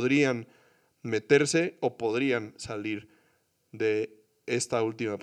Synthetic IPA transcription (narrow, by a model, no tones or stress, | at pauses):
ðɾian | me̞t̪e̞ɾse̞opo̞ðɾiansaliɾ | ðe̞ | est̪ault̪imap